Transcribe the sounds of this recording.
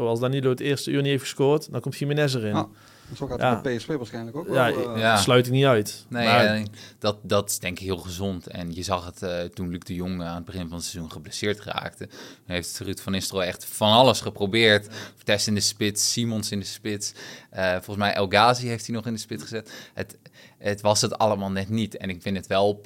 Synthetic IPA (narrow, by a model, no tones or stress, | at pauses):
owɑlˠsdaniloːtɪːrstəyːrniejfəskoɹtdɔnkɔmtfimənɛs̬ərɪn | sokaapeɛsfeʋaɹsχɛjnləkojajaslœɥt̬ɪk̚niœɥtnejd̥ɑt̚dɑtɪ̥zdɛŋkɪkɦɪːlˠχəzontɛ̰njəzɑχətətunlyk̚dəjoŋaːnəd̚bəχɪnvɑnətsɛzunχəblesɪːɹtra̰ːk̚tətunɦejftətrytfɔnɪstroɛχtfɑnɑləsχəprobɪːɹttɛstɪndəspɪtsːimɔnsɪndəspɪtsəfɔlˠəsmɛjʔɛlˠɡaːziɦejftdinɔχɪndəspɪtsχəzɪtətətʋɑsətɑ̰ləmaːlˠnɛtnitɛ̰nɪkfɪnətʋɛlˠ